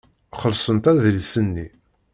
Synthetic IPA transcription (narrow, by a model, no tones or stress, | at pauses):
χəlsˤənt̪æðlsənːi